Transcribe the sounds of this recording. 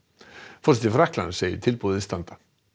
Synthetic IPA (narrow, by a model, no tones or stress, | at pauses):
fɔrsɛt̪ɪfɾahkla̰nseːjɪ̰t̪ʰɪlpuːðɪst̪ant̪ḁ